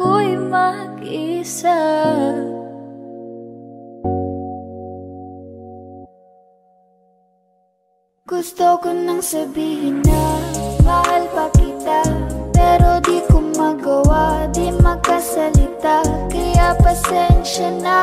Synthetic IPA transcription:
ʊjmɐɡʔisa | ɡ̥ʊst̪okʊnːɐŋsɐbiːɦɪnɐbaɦalpɐkɪt̪apɛɾo̞d̪ikʊmɐɡɐwad̪imɐkɐsɐlɪt̪akɐjapɐsɛnʃɐna

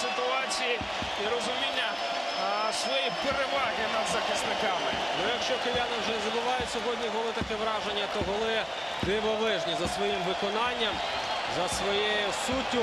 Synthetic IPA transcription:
sɪt̪ʊɑt͡sʲiji | iɾɔzʊmʲinʲːɐ | sʋɔjipeɾeʋɑɦɪnɐd̪zɐxɪsnɪkɑmɪ | nʊjɐkʃt͡ʃɔkejanɪwʒɛzɐbʊʋɑjʊsʲɔɦɔdʲnʲiɦɔlˠɪt̪ɐkɛʋɾɑʒenʲːɐt̪ɔɦɔlˠɪ | d̪ɪʋɔʋɪʒnʲizɐsʋɔjimʋɪkɔnɑnʲːɐm | zɐsʋɔjejʊsutʲːʊ

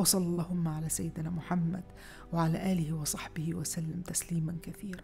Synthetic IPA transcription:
wɑsˤɑlɑlˤːɑːhʊmːaʕalaːsajːɪd̪ɪnaːmʊħamːa̰d̪ | waʕalaːʔaːlɪhɪwɑsˤɑħbɪhɪwasalːamt̪asliːmankaθiːɾa

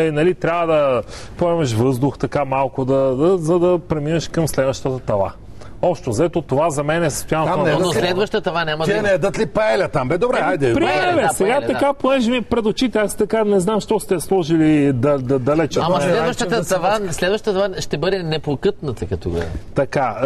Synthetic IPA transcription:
ɛnɐlit̪ɾʲabəd̪ɐ | poɛmɐʃvɤzd̪ʊxt̪ɐkamalˠkʊd̪ɐd̪ɐzɐd̪ɐpɾɛminɐʃkɐmslɛd̪vɐʃt̪ət̪ət̪ɐva̰ | ɔpʃt̪ozɐɛt̪ot̪ovazɐmɛnɛsɐ̥st̪ʊjannoslɛd̪vɐʃt̪t̪ɐvanʲamɐinɛɛd̪ət̪lipɐɛlʲɐt̪ambɛd̪obɾɛjd̪ɛpɾiɛvɛsɛɡat̪ɐkaponɛʒɛmiɛpɾɛd̪ot͡ʃit̪ɛast̪ɐkanɛznamʃt̪ɔst̪ɛslˠɔʒilid̪ɐd̪ɐd̪ɐlɛt͡ʃɐtamslɛdvəʃt̪ət̪ət̪ɐvaslɛd̪vəʃt̪t̪ɐvaʃt̪ɛbɤd̪ɛnɛpokɤt̪nət̪ɐkɐt̪ṵɡɐ̰t̪ɐka

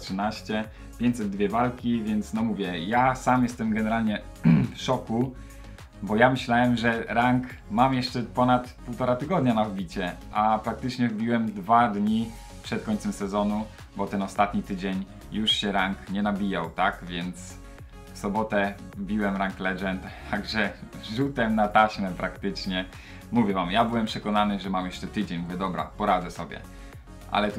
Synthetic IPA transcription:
tʂɨnaɕt͡ɕɛ | pʲjeɲt͡ɕt̪sɛd̪̚ːvʲjɛvalkʲivʲjɛnt̪snɔmuvʲjɛjasamjɛst̪ɛmɡɛnɛɾalɲɛ | fʂɔku | bɔjamɘɕlawɛmʐɛɾaŋk | mamjɛʂt͡ʂɛpɔnat̪puwt̪ɔɾat̪ɘɡɔd̪ɲanavbʲit͡ɕɛʔapɾak̚t̪ɘt͡ʂɲɛvbʲiwɛmd̪vad̪ɲi | pʂɛt̪̚kɔɲʲt̪sɛmsɛzɔnu | bɔt̪ɛnɔst̪at̪ɲit̪ɘd͡ʑeɲ | juʂɕɛɾaŋkɲɛnabʲijawt̪akvʲjɛnt̪s | fsɔbɔt̪ɛ | vbʲiwɛmɾaŋklɛʐɛnt̪t̪ʰaɡʐɛʐut̪ɛmnat̪aɕmɛpɾakt̪ɘt͡ʂɲɛ | muvʲjɛvamjabɘwɛmpʂɛkɔnanɘʐɛmamjɛʂt͡ʂɛt̪ɘd͡ʑeɲmuvʲjɛd̪ɔbɾa̰pɔɾad̪zɛsɔbʲjɛ̰ | ʔa̰lɛt̪

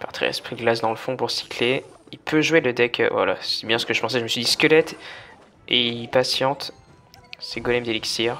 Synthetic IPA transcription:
paʁt̪ʰḭʁɛ̰spχiɡlas̬d̪ɑ̃ləfɔ̃puʁsi̥kʰleilpʰøʒweləd̪ɛkʰva̰la̰sibjɛ̃sə̥kəʒəpɑ̃sɛʒəməsɥid̪iskəlɛt̪ | eipasjɑ̃t̪ | sɛɡɔlɛmd̪eliksiʁ

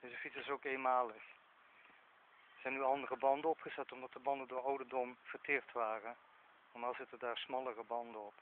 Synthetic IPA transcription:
dəsəfitsəsowkejnmaːləχ | z̥ɛjnyɑndərəbɑndəɔpχəzɛtɔmdɑtdəbɑndəndʊːɹɔwdədɔmv̥əɹtɪːɹtʋaːrə | nɔɹmaːlˠzɪtəndaːɹsmɑlˠərəbɑndəɔp

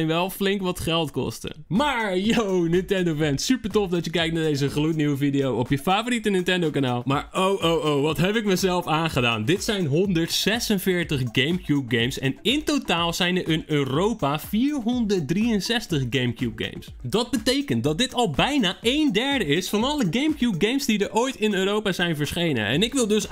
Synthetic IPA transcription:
nʋɛlˠflɪŋkʋɔtχɛlˠtkɔ̰stə̰maːɹjownɪntɛndofɛntsypəɹtofdɔtjəkɛjktnadejzəχlutniwəfidejowopjəfafoɾitənɪntɛndowkanaːlˠmaːɹowʔowʔowʋɔtɦɛpɪk̚məzɛlˠfaːnχəda̰ːndɪtsɛjnɦondəɹtsɛsənfɪːɹtəχɡejmkjup̚ɡejmsɛ̰nɪntotaːlˠz̥ɛjnəɹʔənøːrowpafiːɹɦondət̚driənsɛstəχɡejmkjup̚ɡḛjmsdɔt̚bətejkənt̚dɔt̚dɪtʰɔlˠbɛjnaʔejndɛɹdəɪsfɑnɔlˠəɡejmkjup̚ɡejmsdidəɹʔoːjtɪnøːɾowpazɛjnvəɹsχejnə̰ʔɛ̰nɪkʋɪlˠdøs

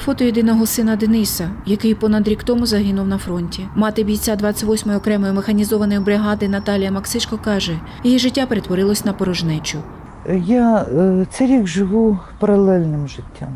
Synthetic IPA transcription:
fɔt̪ɔjid̪ɪnɔɦɔsɪnɐd̪enɪsɐjɐkɪjpɔnɐd̪ɾʲikt̪ɔmʊzɐɦɪnʊwnɐfɾɔnʲtʲimɑt̪ɪbʲijt͡sʲad̪ʋɑt͡sʲːɐʋɔsʲmɔjʊɔkɾɛmɔjʊmexɐnʲizɔʋɐnɔjʊbɾɪɦɑd̪ɪnɐt̪ɑlʲijɐmɐksɪt͡ʃkɔkɑʒɛ | jijiʒɪtʲːapeɾe̞t̪ʋɔɾɪlˠɔsʲnɐpɔɾɔʒnɛt͡ʃʊ | jat̪sɛɾʲiɡʒɪʋupɐɾɐlˠɛlʲnɪmʒɪtʲːam

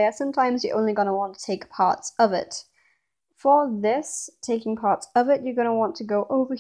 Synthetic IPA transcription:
əsʌ̃mtʰãɪ̃mzjə˞ʔõ̰ʊ̃nliɡʌnəwɑ̃ntʰə̥tʰeɪkpʰɑ̰ɹtsʌvɪ̰t | fə˞ðɪstʰeɪkɪ̃ŋpʰɑɹtsʌvɪt͡ʃə˞ɡʌñəwɑ̃ntʰəɡoʊʔoʊvə˞

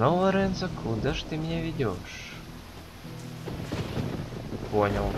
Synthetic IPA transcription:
novəɾenzə̆kʰud̪əʃt̪ɨmnʲevʲidʲoʃ | ponʲəlˠ

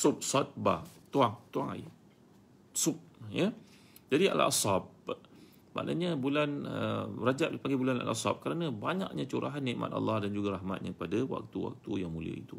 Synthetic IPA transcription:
sup̚sat̪̚bat̪uaŋt̪uaŋa̰j | sup̚jə | d͡ʒadia̰la̰sɑp̚ | ma̰ʔna̰ɲəbulanərad͡ʒap̚paŋɡibulana̰lʔa̰sa̰p̚kəɾanə̃baɲa̰kɲat͡ʃuɾaɦanːiʔmʔa̰t̪ɑ̰lːɑhdand͡ʒuɡaɾahma̰t̪̚ɲapadawa̰k̚t̪uwa̰k̚t̪ujaŋmũliə̰it̪u

